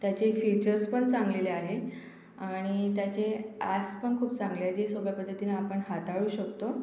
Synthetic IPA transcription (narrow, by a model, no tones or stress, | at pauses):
t̪jat͡ɕefit͡ɕəɾspəɳt͡sãŋɡleleaɦe | aɽ̃it̪jat͡ɕeaspəɳkʰuːpt͡sãŋɡljad͡ʑesoɡɭjapəd̪ʱːət̪inaːpəɳɦat̪aɭuːɕəkt̪o